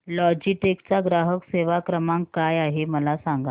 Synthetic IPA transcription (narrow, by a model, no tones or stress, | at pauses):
lɔd͡ʑiʈekt͡saɡɾaɦəkseʋakɾəmaŋkkːajaɦeməlasaŋɡa